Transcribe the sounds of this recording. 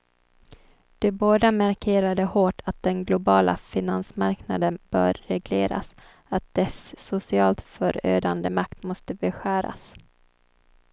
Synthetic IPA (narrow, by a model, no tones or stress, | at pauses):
d̪̥ɛboːd̪amæɾkʰeːɾad̪əhoːʈʰat̪̚d̪̥ɛnɡlʊbɑːla̰fɪnansmaɾknad̪ənb̥œ̰ːɾːɛɡleːɾa̰s | at̪̚d̪̥ɛsːʊsɪɑːlt̪fœɾø̰ːd̪and̪əmak̚t̪mɔst̪əbɛɧæːɾa̰s